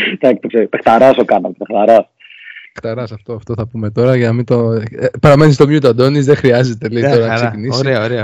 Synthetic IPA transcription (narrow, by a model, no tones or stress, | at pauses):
ðɐkt̪okseit̪ext̪ɐɾɐsokɐnɐt̪t̪ext̪ɐɾɐs | xt̪ɐɾɐsɐft̪oɐft̪o̞θɐpume̞t̪o̞ɾɐʝeɐmit̪opɐɾɐmenist̪omjut̪oɐd̪o̞nizðexɾiɐzet̪eleit̪o̞ɾɐnɐɐsɐcinisɾeɐoɾeɐ